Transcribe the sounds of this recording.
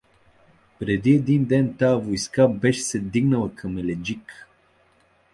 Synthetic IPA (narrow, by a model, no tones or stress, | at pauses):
pɾɛd̪iɛd̪ind̪ɛnt̪aəvojskabɛʃsɛd̪iɡnəlˠəkʰəmɛlɛd͡ʒik